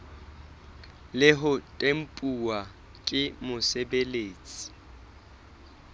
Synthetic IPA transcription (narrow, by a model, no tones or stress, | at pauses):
lɪɦʊtʼem̩pʼuwa | kʼɪmʊsebeleːt͡sʼi̥